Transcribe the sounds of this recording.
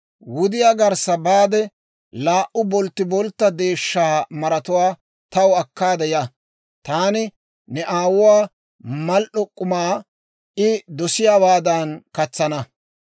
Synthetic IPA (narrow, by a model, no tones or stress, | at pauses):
wʊd̪ɪjaːɡɐɾsɐbaːd̪ɛ | laːʔʊbɔlt̪ːɪbɔlt̪ːɐd̪e̞ːʃːaːmɐɾɐt̪ʊwaː | t̪ɐwɐkːaːd̪ɛja | t̪aːnɪ | nɛʔaːwʊwaː | mɐlʔɔkʼːʊmaː | ʔɪd̪ɔsɪjaːbaːd̪ɐnkɐt͡sːɐnɐ